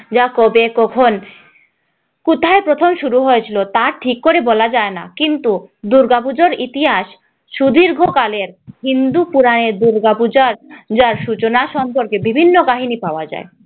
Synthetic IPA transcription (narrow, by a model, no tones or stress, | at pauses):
d͡ʑakobekɔkʰon | kut̪ʰaepɾot̪ʰomʃuɾuɦojet͡ɕʰilot̪aʈʰikːoɾebɔlad͡ʑaena̰kint̪ud̪uɾɡapud͡ʑoɾit̪iɦaʃ | ʃud̪iɾɡʱokaleɾɦind̪upuɾaneɾd̪uɾɡapud͡ʑaɾd͡ʑaɾʃut͡ɕonaʃɔmpoɾkebibʱinːokaɦinipaoad͡ʑa̰e